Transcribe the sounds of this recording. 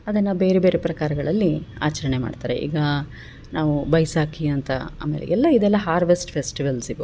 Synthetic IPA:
ɐd̪ɐnːɐbe̞ːɾebeːɾepɾɐkaːɾɐɡɐɭɐlːia̰ːt͡ʃɐɾɐɳema̰ːɖt̪aːɾḛʔḭːɡɐ | naːʋubɐjsaːkʰiɐnt̪ɐa̰ːmḛːlḛɡɛlːɐid̪ɛlːɐɦaːɾʋesʈpʰesʈiʋɐlsib

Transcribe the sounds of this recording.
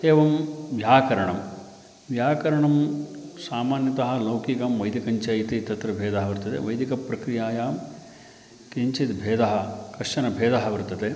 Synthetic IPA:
eːʋɐmʋjaːkɐɾɐɳɐm | ʋjaːkɐɾɐɳɐmsaːmaːnjɐt̪ɐɦɐ̆lɐwkikɐmʋɐjd̪ikɐɲt͡ʃɐjit̪it̪ɐt̪ɾɐbʱeːd̪ɐɦɐʋɐɾt̪ːɐt̪ḛʋɐjd̪ikɐpɾɐkɾijaːjaːm | kiɲt͡ʃit̪bʱeːd̪ɐɦɐ̆kɐʂɐnɐbʱeːd̪ɐɦɐʋɐɾt̪ːɐt̪eː

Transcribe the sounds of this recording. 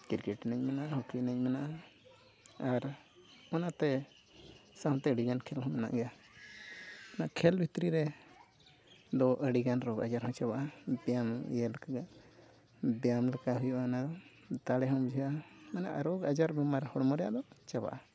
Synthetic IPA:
kiɾkɛʈnəɲmɛnaʔahukinəɲ̚mɛnaʔa | aɾ | ɔnat̪ɛ | saɦɔ̃t̪ɛəɽiɡankʰɛlhɔmɛna̰ʔɡɛja | naʔkʰɛlbʱit̪ɾiɾɛ | d̪ɔʔəɽiɡanɾɔɡa̰d͡ʒaɾhɔ̃t͡ʃabaʔabjamjɛlkaɡa | bɛjamlɛkaɦujɔʔanad̪ɔ | t̪aɽɛɦɔmd͡ʒʱiʔamanaʔɾɔɡad͡ʒaɾbɛmaɾhɔɽmɔɾɛja̰ʔd̪ɔt͡ʃaba̰ʔa

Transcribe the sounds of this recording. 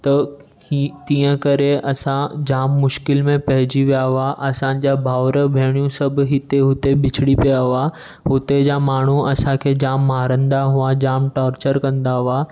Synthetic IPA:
t̪ɐ | it̪ĩːə̃kɐɾeɐsãd͡ʑaːmːʊʃkɪlmẽpɐɦɪd͡ʑiʋijaʋʊaʔɐsãd͡ʑabʱaːʋɾəbʱeːɽ̃jũsɐbʱɦɪt̪eɦʊt̪ebɪt͡ɕʰɪɽipijaʊa | ɦʊt̪ed͡ʑamaːɳ̤uɐsãkʰeːd͡ʑaːmːaːɾə̃nd̪aɦuad͡ʑaːmʈaːɾt͡ɕəɾkɐ̃nd̪aɦʊaː

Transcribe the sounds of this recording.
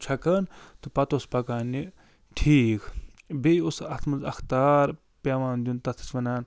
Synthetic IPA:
t͡ʃʰɐkɐːnt̪upɐt̪ospɐkaːnːi | ʈʰiːkbeusɐt̪ʰmɐzɐ̰xt̪aːɾ | pʲaːʋaːnd̪ʲunt̪ɐt̪ʰɐ̥t͡ʃʋɐnaːn

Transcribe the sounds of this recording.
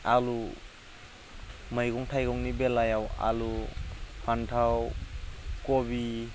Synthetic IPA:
alu | məjɡuŋtʰajɡɔŋnibelajawa̰lu | pʰantʰaw | kɔbi

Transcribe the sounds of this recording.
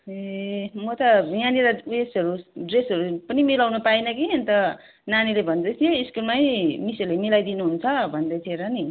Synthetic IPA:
emʌt̪ʌjaniɾaesɦʌɾuɖresɦʌɾupʌnimilawnupainʌkiʌnt̪ʌ | nanilebʱʌnd̪ʌt̪ʰijeiskulmajmiselemilajd̪inuɦunt͡sʰʌbʱʌnd̪ʌt̪ʰieɾʌni

